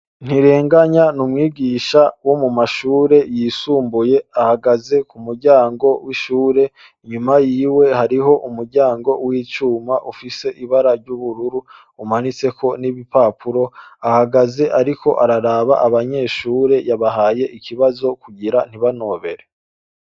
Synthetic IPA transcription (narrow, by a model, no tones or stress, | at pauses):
n̥iɾe̞ːŋɡaɲanumŋiːɡiːʃawo̞mumaʃuːɾe̞jiːsuːmbuje̞ahaɡaze̞kumuɾɟaːŋɡo̞wiʃuːɾe̞ | iɲumajiːwe̞haɾiɦo̞ʔumuɾɟaːŋɡo̞wiːt͡ʃuːmaʔufise̞ʔiβaɾaɾɟuβuɾuɾu | umanit͡se̞kʰo̞niβipaːpʰuɾo̞ahaɡaze̞ʔaɾikʰo̞ʔaɾaɾaβaʔaβaɲe̞ːʃuːɾe̞jaβaɦaːje̞ʔikiβazo̞kuɟiɾan̥iβano̞ːβe̞ɾe̞